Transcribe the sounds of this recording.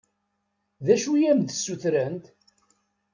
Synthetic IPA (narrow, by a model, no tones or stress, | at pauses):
ðæʃujæmd̪sːuθɾænt̪